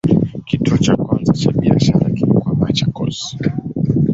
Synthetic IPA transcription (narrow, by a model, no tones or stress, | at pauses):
kituɔt͡ʃakwanzat͡ʃaɓia̰ʃaɾa̰kim̩kwamat͡ʃakɔs